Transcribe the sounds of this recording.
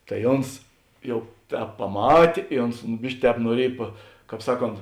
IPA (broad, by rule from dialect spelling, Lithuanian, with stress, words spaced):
tɐɪ ˈoːns ˈjɛʊ ˈtʲɛːp pɐˈmɑːtʲeː ɪ ˈoːns ˈbʲɪʃʲkʲɪ ˈtʲɛːp nuɔˈrʲiɛj pɐ ˈkɑːp ˈsɑːˌkoːnt